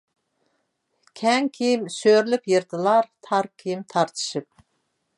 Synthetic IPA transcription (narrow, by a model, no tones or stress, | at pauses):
kʲʰɛŋkʲʰijimsøɾlypjeɾt̪ʰɨlˠɑɾt̪ʰɑɾkʲʰijimt̪ʰɑɾt̪ʰɨ̥ʃɨp̚